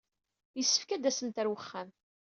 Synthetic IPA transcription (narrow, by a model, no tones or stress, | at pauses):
jəsːə̥fkæd̪æsənt̪æɾwəχːæm